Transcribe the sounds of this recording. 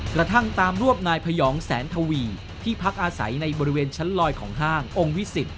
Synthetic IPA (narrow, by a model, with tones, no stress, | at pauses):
kɾa˧t̪ʰa˥˩ŋt̪aː˧mɾu˥˩əm̚naː˧jpʰa˧jɔː˩˦ŋsɛ̰ː˩˦nt̪ʰa˧wiː˧ | t̪ʰiː˥˩pʰa˦˥k̚ʔaː˧sa̰˩˦jna˧jbɔː˧ɾi˦˥weː˧nt͡ɕʰa˦˥nlɔː˧jkʰɔ̰ː˩˦ŋɦaː˥˩ŋʔo˧ŋwi˦˥si˨˩t̪̚